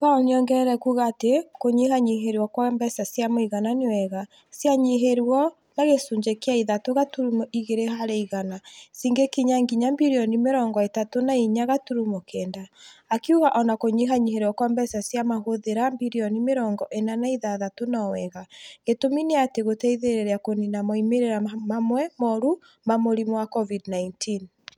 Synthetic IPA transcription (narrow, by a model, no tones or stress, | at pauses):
kaɔneɔŋɡɛɛɾɛkuːɣatekoɲihaɲiɦeɾwɔkwambɛsasjamoiɣananewɛɣa | sjaɲiɦeɾwɔ | naɣesuɲd͡ʒekeaiðatoɣatuɾumoʔiɣeɾeɦaɾeiɣanasiŋɡekiɲaŋɡiɲambiɾiɔnimeɾɔːŋɡɔetatonaiɲaɣatuɾumokɛːndaːkiuɣaʔɔnakoɲiɦaɲiɦeɾwɔkɔmbɛsasjamaɦoðeɾambiɾiɔnimeɾɔːŋɡɔʔenanaiðaðatonaɔwɛɣaɣetomineateɣotɛiðeɾeɾeakoninamɔimeɾeɾamamwɛmɔɾu | mamoɾimwakɔvidnaintʰin